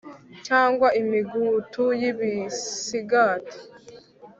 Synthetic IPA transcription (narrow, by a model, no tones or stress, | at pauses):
caːŋɡwaimiɡuːtʰujiβisiɡaːtʰi̥